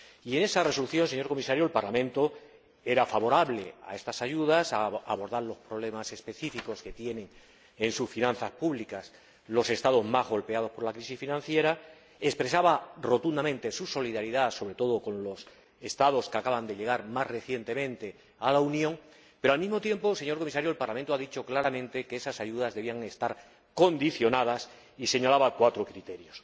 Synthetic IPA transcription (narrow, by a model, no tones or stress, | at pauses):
ie̞ne̞sare̞so̞luθjo̞nse̞ɲoɾko̞misaɾjolpaɾlamẽnt̪o̞ | e̞ɾafaβo̞ɾaβle̞a̰e̞st̪asaʝuðasaaβo̞ɾðaɾlo̞spɾo̞β̞le̞mase̞spe̞θifiko̞ske̞t̪je̞nẽ̞ŋ | ensusfinãn̟θaspuβlikas | lo̞se̞st̪að̞o̞zmazɣo̞lpeað̞o̞spo̞lakɾisisfinãn̟θje̞ɾa | e̞spɾe̞saβaro̞t̪und̪amẽ̞nt̪e̞suso̞liðaɾiðaso̞βɾe̞t̪o̞ð̞o̞ko̞nlo̞s | e̞st̪aðo̞skakaβand̪e̞ʎe̞ɣ̞aɾmazre̞θje̞nt̪e̞mẽ̞nt̪e̞ | alaunjõŋ | pe̞ɾoalmizmo̞t̪je̞mpose̞ɲo̞ɾko̞misaɾjoe̞lpaɾlam̃nt̪oaðit͡ʃo̞klaɾamẽ̞nt̪e̞keesasaʝuðazðeβiaŋe̞st̪aɾ | ko̞nd̪iθjo̞naðas | ise̞ɲalaβakwat̪ɾo̞kɾit̪e̞ɾjo̞s